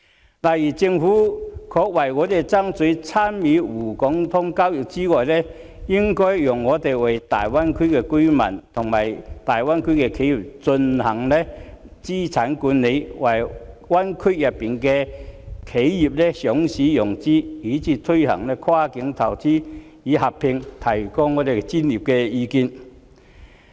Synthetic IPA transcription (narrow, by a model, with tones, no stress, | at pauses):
laː˨˩jiː˨˩t͡sɪ˧ŋfuː˨˥kʰɔː˧k̚wɐ˨˩jŋɔː˨˧t̪e˨jt͡sɐ˥ŋt͡sɵ˨˥ɥt͡sʰaː˥nmiː˨˧˥wuː˨˩kɔ˨˥ŋt̪ʰʊ˥ŋkaː˥wjʊ˨˩k̚t͡siː˥ŋɔː˨jlɛː˥ | jɪ˥ŋkɔː˥jjʊ˨˩ŋːɔː˨˧˥t̪e˨jwɐ˨jt̪a̰ː˨jwa˥nkʰɵ˥kɛ˧kɵ˥ɥmɐ̰˨˩nt̪ʰʊ˨˩ŋmaː˨˩jt̪aː˨jwa˥nkʰɵ˥kɛ˧kʰe˨˥ji˨p̚t͡sɵ˧nhɐ˨˩ŋlɛː˥t͡siː˥t͡sʰaː˨˥nkuː˨˥nːe˨˧jwɐ˨˩jwɐ˥nkʰɵ˥jɐ˨pːiː˨˩nkɛ˧kʰe˨˥jji˨˩p̚lɛ˥sɔː˨˥ŋsiː˨˥jʊ˨˩ŋt͡siː˥i˨˥t͡sʰiː˨˧t̪ʰɵ˥jhɐ̰˨˩ŋlɛː˥kʰwaː˥kɪ˨˥ŋt̪ʰɐ˨˩wt͡siː˥ | jiː˨˥ɦɐ˨pʰːɪ˧ŋt̪ʰɐ˨˩jkɔː˧ŋɔː˨˧t̪e˨jkɛ˥t͡siː˥nliː˨˩p̚kɛ˧jiː˨˧ki˧n